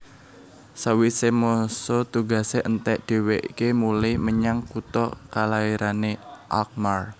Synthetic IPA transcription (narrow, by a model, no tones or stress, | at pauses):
sawisemosot̪uɡa̤seʔənt̪ɛʔd̪̥e̤weʔikemulihməɲaŋkut̪ɔkalaiɾaneʔa̰k̚mar